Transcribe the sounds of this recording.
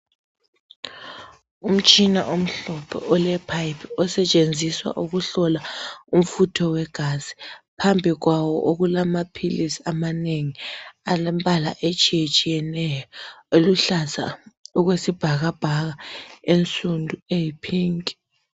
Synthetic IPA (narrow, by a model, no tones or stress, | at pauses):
um̩t͡ʃʼina̰ʔom̩ɬɔpʰɔ̰ʔɔlɛpʰajpʰɔsɛt͡ʃʼend͡zʱiswa̰ʔuɣuɬɔlaum̩futʰɔwɛɡ̥ʱaz̥i̥pʰambʱiɣwawɔ̰ʔoɣulamapʰilisiamaneŋialembʼala̰ʔet͡ʃʼijet͡ʃʼijɛnɛjɔoluɬasa̰uɣwesib̥ʱaɣab̥ʱaɣaent͡sʼundʱuejipʰiːŋi